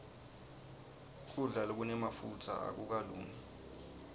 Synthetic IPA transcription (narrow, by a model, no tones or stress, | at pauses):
kʰuɮalok̬unɛmafutʰa̰a̰k̬uk̬aluːni